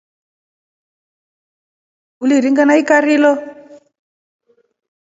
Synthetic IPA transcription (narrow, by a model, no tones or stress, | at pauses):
uliɾiŋɡanaikaɾilɔ